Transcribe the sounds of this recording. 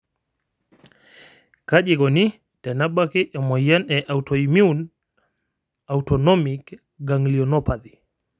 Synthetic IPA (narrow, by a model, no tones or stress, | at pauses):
kaʄeɡɔni | tɛnaɓakeʔɛmɔjanɛʔawtɔimiun | awtɔnɔmik | ɡaŋliɔnɔpadi